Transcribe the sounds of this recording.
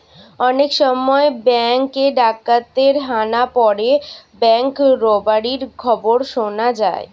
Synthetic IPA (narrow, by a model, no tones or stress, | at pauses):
ɔnekʃɔmɔebɛŋkeɖakːat̪eɾɦanapɔɾebɛŋkɾɔbaɾiɾkʰɔboɾʃonad͡ʑa̰e